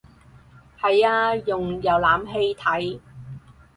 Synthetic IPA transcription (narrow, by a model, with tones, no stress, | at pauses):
hɐ˨jaː˧jʊ˨ŋjɐ˨˧wlaː˨˥mɦe˧jt̪ʰɐ˨˥j